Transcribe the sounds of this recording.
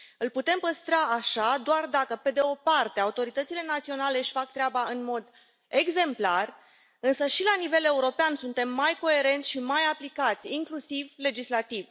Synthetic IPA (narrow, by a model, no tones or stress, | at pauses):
ɨlput̪e̞mpəst̪ɾaːʃad̪oard̪akəpe̞d̪e̞o̞part̪e̞aut̪o̞ɾit̪ət̪sile̞nat̪sio̞nale̞ɨʃʲfak̚t̪ɾeabaɨnmo̞d̪ | e̞ɡze̞mplar | ɨnsəʃilanive̞le̞uɾo̞peansunt̪e̞mːajko̞e̞ɾe̞nt̪sʲʃimajaplikat̪sʲiŋklusivle̞d͡ʒislat̪iv